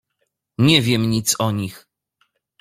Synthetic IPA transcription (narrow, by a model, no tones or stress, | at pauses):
ɲɛvʲjɛmɲit̪sɔɲix